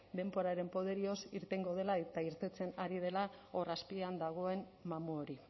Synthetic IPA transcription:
d̪e̞mbo̞ɾaɾe̞mpo̞ðe̞ɾio̞siɾt̪e̞ŋɡo̞ð̞e̞laet̪aiɾt̪e̞t͡se̞naɾið̞e̞lao̞raspiand̪aɣ̞o̞e̞n | mamuoɾi

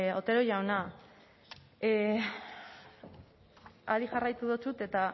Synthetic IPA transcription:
o̞t̪e̞ɾo̞jawna | aðiʝarajt̪uðot͡sut̪e̞t̪a

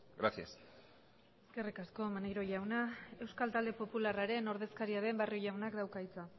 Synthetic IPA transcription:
ɡɾasia̰s | eske̞rikasko̞maneɾo̞ʝawnae̞wskalt̪ald̪e̞po̞pularaɾe̞no̞ɾð̞e̞skaɾiaðe̞mbarjoʝawnakd̪awkaijt͡sa

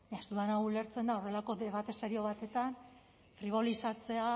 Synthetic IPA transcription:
ast̪uðanaule̞ɾt͡se̞nd̪ao̞re̞lako̞ðeβat̪e̞seɾio̞β̞at̪e̞t̪an | fɾiβ̞o̞lisat͡se̞a

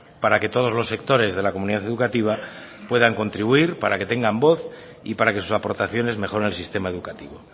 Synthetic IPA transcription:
paɾake̞t̪o̞ð̞o̞zlo̞sːe̞kt̪o̞ɾe̞zðe̞lakomuniðaθe̞ðukat̪iβ̞a | pwe̞ðaŋko̞nt̪ɾiβuiɾpaɾake̞t̪e̞ŋɡambo̞θ | ḭpaɾake̞susapo̞ɾt̪aθjo̞ne̞zme̞xo̞ɾenelsist̪e̞mae̞ðukat̪iβo̞

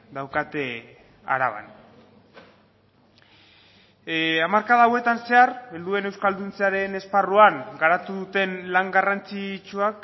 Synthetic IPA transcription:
d̪awkat̪e | a̰ɾa̰β̞a̰n | amaɾkaðawe̞t̪anse̞areld̪ue̞ne̞wskald̪unt͡seaɾe̞ne̞sparuaŋɡaɾat̪uðut̪e̞nlaŋɡarant͡sit͡ʃuak

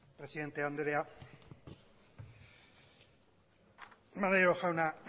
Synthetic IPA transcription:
pɾe̞siðe̞nt̪e̞and̪eɾea | maðeɾoʝawna

